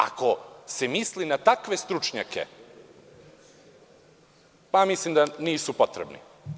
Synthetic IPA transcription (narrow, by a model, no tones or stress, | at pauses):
a̰ko̞se̞mislinat̪akʋe̞st̪ɾut͡ʃɲa̰kʰe̞̰ | pamislimd̪aniːsupo̞t̪ɾḛbnḭ